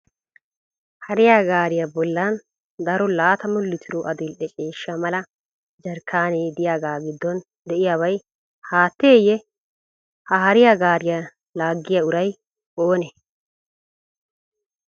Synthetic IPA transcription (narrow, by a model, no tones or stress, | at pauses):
hɐɾɪjaːɡaːɾɪjabɔlːɐn | d̪ɐɾɔlaːt̪ɐmʊlːɪt̪ʰɪɾuʔɐd̪ɪlʔɛt͡ʃʼe̞ːʃːamɐlɐ | d͡ʒɐɾkʰːaːneːd̪ɪjaːɡaːɡɪd̪ːɔn | d̪ɛʔɪjaːβɐj | haːt̪ːeːjɛ | hɐɦɐɾɪjaɡaːɾɪja | laːɡːɪjaʊɾɐj | ʔoːne